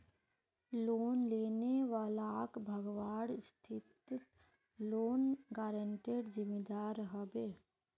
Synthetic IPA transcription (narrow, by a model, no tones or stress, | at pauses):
loːnleːneʋaːlakbʱəɡʋaːɽst̪ʰɪt̪t̪ | loːnɡaːɾəɳʈeːɖzɪmed̪aːɾɦɐbeː